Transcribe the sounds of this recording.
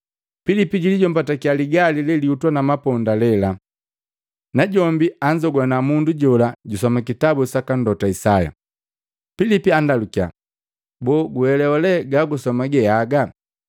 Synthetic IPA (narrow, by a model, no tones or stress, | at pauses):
filipiɟiliɟɔm̩batakialiɡalilɛliutwanamapɔndalɛla | naɟɔmbiaɲd͡ʒɔɡwanamunduɟɔlaɟusɔmakitabusakandɔtaisaja̰ | filipiandalukia̰ | bɔːɡuhɛlɛɔlɛɡaɡusɔmaɡɛjaɡa